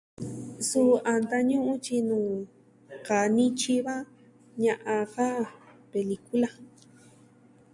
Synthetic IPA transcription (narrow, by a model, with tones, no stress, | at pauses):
su˦a˨nd̪a˧ɲũ˦ʔũ˦t͡ʃi˧nũː˨ | ka˨nĩ˦t͡ʃi˦βa˦ | ɲã˧ʔã˧ka˦ | pe˨li˧ku˦la˧